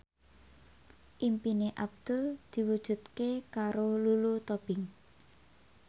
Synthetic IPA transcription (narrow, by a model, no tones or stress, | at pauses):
ʔimpineʔab̚d̪̥ʊld̪̥i̤wud̥ʒ̥ṳt̪̚kekaɾolulut̪ob̥ɪŋ